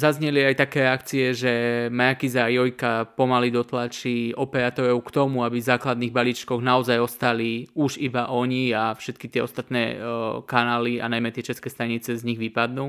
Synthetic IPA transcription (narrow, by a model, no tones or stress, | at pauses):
zazɲɛliajt̪akɛːɾɛakt͡siɛʒɛmajakizaːjɔjkapɔmalid̪ɔt̪lat͡ʃiɔpɛɾat̪ɔɾɔʊkt̪ɔmuabizaːklad̪niːɣbalit͡ʃkɔɣnaɔzajɔst̪aliuʒibaʔɔɲiafʃɛt̪kit̪ɪɛɔst̪at̪nɛːkanaːlia̰najmɛt̪ɪɛt͡ʃɛskɛːst̪aɲit͡sɛzɲiɣʋipad̪nuː